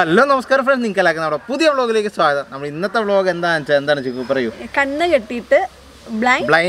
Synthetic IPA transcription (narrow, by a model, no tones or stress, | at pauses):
ɐlːoːnɐmɐskaːɾɐmfrenniŋkːɐlaːkːunɐmɐɽepuðijɐfɭo̞ːɣile̞ːkːɨsʋaːɡɐðɐnɐmɐɽinːɐt̪ːefɭo̞ːɡɐend̪aːɐnt͡ɕːɐend̪aːɳɨt͡ɕikːupɐrɐjukɐɳːɐkeʈːijʈːɨ | bɭabɭɐj